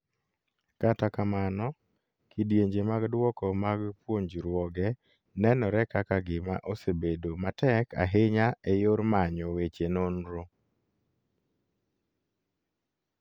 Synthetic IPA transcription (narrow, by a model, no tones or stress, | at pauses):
katakamanɔ | kidjeɲd͡ʒemaɡdwɔkɔmaɡpwoɲd͡ʒɾwɔɡɛ | nɛnɔɾɛkakaɡɪma̰ʔosebedomatɛka̰ɦɪɲaejoɾmaɲɔwet͡ʃenonɾo